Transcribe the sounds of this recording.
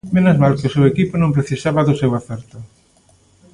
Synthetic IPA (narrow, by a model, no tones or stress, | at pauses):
menozmalkɪʊsewekipʊnõmpɾeθisaβaðʊsewaθɛɾt̪ʊ